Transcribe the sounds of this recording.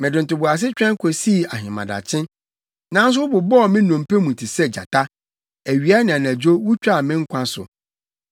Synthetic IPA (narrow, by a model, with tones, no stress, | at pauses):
mɪ̃˨dɪ˨n̩˨tʊ˨bʊ˨a˨s̬ɪ˦t͡ɕᶣɾɛ̃˦ŋ˦kʷʰɔ˨si˦˨a˨ɦɪ̃˨mã̰˨da̰˨t͡ɕʰɪ̃˦n | nã˦n˦s̬ʊ˦wʊ˦bʊ˨bɔ˦˨mɪ̃˦nɔ̃˨m˨pɛ˦mũ˨tʰi˨sɛ˦d͡ʑa̰˨tʰa˦ | æ˨ɥi˨a˦nɪ̃˨a˨næ̃˨d͡ʑᶣo˦wʊ˦t͡ɕᶣa˦˨mɪ̃˦ŋ̩˦kʷʰã˦sʊ̰˨